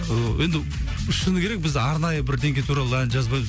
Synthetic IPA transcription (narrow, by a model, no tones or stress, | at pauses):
əje̞nd̪ɪ | ɪʃənəkʰʲeɾe̞k̚bɪzɑɾnɑjəbɪɾd̪e̞ŋɡʲe̞jt̪ʰuɾɑlˠəænʒɑzbɑjbz